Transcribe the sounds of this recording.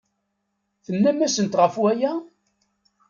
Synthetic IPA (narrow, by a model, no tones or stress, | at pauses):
θənːæmæsənt̪ʁəfwæjæ